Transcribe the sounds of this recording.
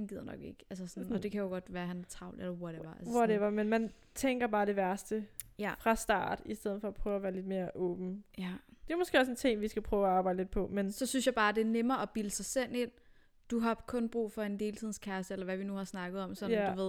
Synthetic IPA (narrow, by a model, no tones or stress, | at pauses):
hænɡ̥ið̰ˠɐnɒ̽ɡ̥e̝ɡ̥æls̬əsɒnnɒ̽d̥e̝kʰæjoɡ̥ɒ̽d̥ʋæːɐɦænt͡sʰʁɑ̈ʊ̰ldelɐwɒ̥eʋɐælsʋɒɾeʋɐmenmæn | t͡sʰeŋɡ̥ɐb̥ɑ̈ːɾ̥e̝ʋæɐsd̥əjæfʁɑ̈sd̥ɑ̰̈ːd̥isd̥eð̰ˠð̩ˠfɒ̽pʰʁœːʊɐʋæːɐle̝d̥me̝ːɐʔɔ̽ːb̥n̩jæd̥e̝mɔsɡ̥e̝̰ːɒse̝nt͡sʰe̝ŋ̰ʋisɡ̥æpʰʁœːʊæɑ̈ːb̥ɑ̈ɪd̥led̥̚pʰɒ̽mensɒ̽synsjɑ̈ɪb̥ɑ̈ːd̥e̝æɐnemɐːɒb̥iləsɑ̈ɪsel̰e̝n̰ | d̥uɦɑ̈kʰɔ̽nb̥ʁṵːfɒ̽e̝nd̥e̝ːlt͡sʰið̞̰ˠn̩skʰæɐsəelɐʋæʋinuhɑ̈snɑ̈ɡ̥əð̞̩ˠɒ̽msɒ̽nd̥uʋe̝ð̰ˠ